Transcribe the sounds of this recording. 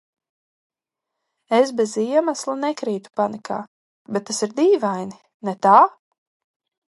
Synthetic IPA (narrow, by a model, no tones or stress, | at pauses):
esbeziɛmaslˠanɛkɾiːt̪u̥panikʰa̰ː | bet̪ːasiɾd̪iːvajni | nɛt̪aː